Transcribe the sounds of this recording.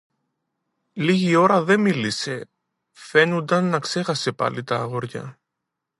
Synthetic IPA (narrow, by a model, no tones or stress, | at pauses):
liʝio̞ɾɐðe̞milise̞ | fe̞nund̪ɐnːɐkse̞xɐse̞pɐ̰lit̪ɐːɣo̞ɾʝɐ̰